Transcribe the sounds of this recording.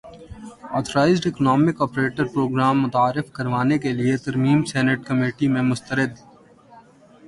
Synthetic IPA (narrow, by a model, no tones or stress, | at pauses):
ɔːt̪ʰəɾaːɪzɖɪknɔːmɪkɔːpɾeːʈəɾpɾoːɡɾaːmːʊt̪aːɾɪfkɐɾʋaːnek̬eliet̪ɐɾmiːmsɛːnəʈkɐmeːʈimẽmʊst̪əɾɪd̪